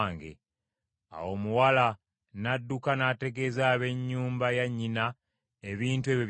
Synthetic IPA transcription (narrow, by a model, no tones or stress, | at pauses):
ŋɡḛ | a̰wo̞ːmuwala | nadːukanate̞ɡe̞zaːβe̞ɲːuːmbajaɲːina | eβiːntue̞βjoβ